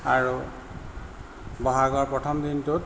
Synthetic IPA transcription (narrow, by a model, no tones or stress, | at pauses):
aɹu | bɔɦaɡɔɹpɹɔt̪ʰɔmd̪int̪ut